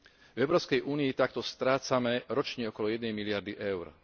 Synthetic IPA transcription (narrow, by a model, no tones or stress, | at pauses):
vɛʊɾɔːskɛjʔuːniit̪ak̚t̪ɔst̪ɾaːt͡samɛɾɔt͡ʃɲɛɔkɔlɔjɛd̪nɛjmilɪaɾd̪iʔɛʊɾ